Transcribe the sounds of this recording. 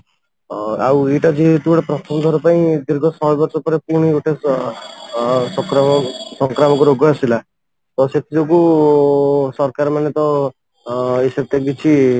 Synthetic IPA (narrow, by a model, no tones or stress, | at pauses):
aweʈad͡ʒit̪uɽapɾɔt̪ʰɔmd̪ʱɔɾupaĩd̪iɾɡʱɔsɔɦbɔɾsɔpɔɾepuɽ̃ioʈʰe | sɔkɾɔmɔsɔŋkɾamɔkuɾoɡɔasila | t̪ɔset̪ʰid͡ʒɔku | sɔɾkaɾmanet̪ɔ | esekt̪eɡbit͡ʃʰi